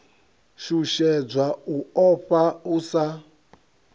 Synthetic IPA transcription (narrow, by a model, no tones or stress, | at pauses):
ʃuʃɛd͡zʷauɔɸausa